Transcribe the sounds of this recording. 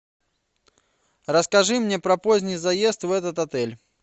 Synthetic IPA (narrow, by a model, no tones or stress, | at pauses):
rɐskaʐɨmnʲɛpɾɐpɔzʲnʲijzajest̪ɛt̪ɐt̪at̪ɛlʲ